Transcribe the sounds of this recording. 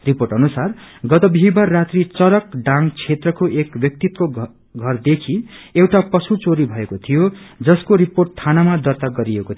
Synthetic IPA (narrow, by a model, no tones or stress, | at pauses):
ripoʈʌnusarɡʌt̪ʌbʱiɦibarrːat̪rit͡sʌɾʌkɖãŋt͡sʰet̪rʌkoʔekbjʌk̚t̪it̪̚ko | ɡʱʌrd̪ekʰiewʈapʌsut͡soɾibʱʌekot̪ʰijo | d͡zʌskoɾiporʈ̚t̪ʰanamad̪ʌrt̪aɡʌɾiekot̪ʰ